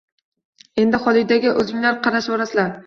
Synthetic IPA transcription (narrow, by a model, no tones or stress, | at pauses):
e̞nd̪ɪχɒlˠɪd̪aɡʲɪʔɵzɪŋlaɾqʰɑɾaʃbɒɾasɪlaɾ